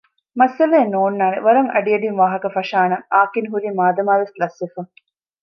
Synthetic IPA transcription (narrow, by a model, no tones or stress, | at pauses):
mɐsɐleːnoːnːaːɾḛʋɐɾɐŋɐ̰ɖijɐɖinʋaːɦɐkɐfɐʂaːnɐaːkinɦuɾimaːd̪ɐmaːʋeslɐsːefɐŋ